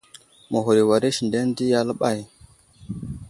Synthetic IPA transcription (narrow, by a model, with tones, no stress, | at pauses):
mə˨ɦu˨ɾi˨wa˨ɾi˦ʃi˨nde˦n˦di˦ja˦lə˦ɓa˦˨j